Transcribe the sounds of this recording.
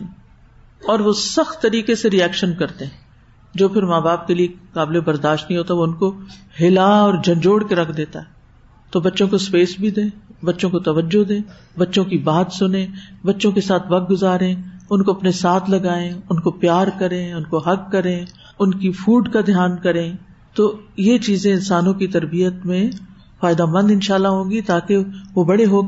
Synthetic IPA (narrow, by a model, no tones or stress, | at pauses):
ɔːɾʋosɐxt̪ːɐɾiːkeseɾiɛːkʃənkɐɾt̪eɦɛ̃ | d͡ʒoːpʰɪɾmãːbaːp̚keliekaːblebɐɾd̪aːʃt̪nəɦĩɦoːt̪aɦɛʋoʊnko | ɦɪlaɔːɾd͡ʒʱɐ̃nd͡ʒoːɽkeɾɐkʰd̪eːt̪aɦɛː | t̪obɐtːʃõkospeːsbʱid̪ẽːbɐtːʃõkot̪ɐʋəd͡ʒːod̪ẽː | bɐtːʃõkibaːt̪sʊnẽbɐtːʃõkesaːt̪ʰʋɐk̚ɡʊzaːɾẽʊnkoɐpnesaːt̪ʰlɐɡaːẽʊnkopjaːɾkɐɾẽʊnkoɦɐkːɐɾẽ | ʊnkifuːɖkad̪ʱɪjaːnkɐɾẽ | t̪oːjet͡ʃiːzẽɪnsaːnõkit̪ɐɾbijət̪mẽ | faːɪd̪amə̃nd̪ɪnʃaːlːaɦõːɡit̪aːkeʋobɐɽeɦoː